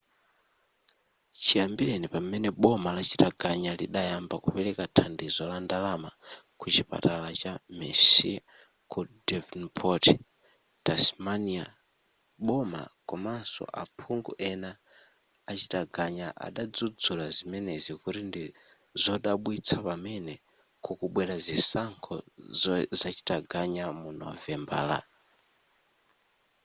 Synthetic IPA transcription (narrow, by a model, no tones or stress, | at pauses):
t͡ʃʰijambiɾenipamɛnɛɓɔmalat͡ʃi̥taɡʱaɲaliɗajambakupɛlɛkatʰandizɔlandalama | kut͡ʃipa̰talat͡ʃamɛsi | kudɛvnpʰɔti | tasmania̰ | ɓɔma̰kɔmansɔ̰ʔapʰuŋɡuʔɛnaː | t͡ʃi̥taɡaɲaʔa̰ɗad͡zud͡zulazimɛnɛzikutindi | zɔɗaɓwit͡sʰapamɛnɛ | kʰukuɓwɛɾazisaŋkʰɔ̰ | zat͡ʃi̥taɡʱaɲamunɔ̰vɛmba̰ːla̰